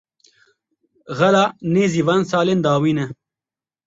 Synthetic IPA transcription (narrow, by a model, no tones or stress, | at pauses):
ɣɐlaːneːziːvaːnsaːleːnd̪aːwiːnɛ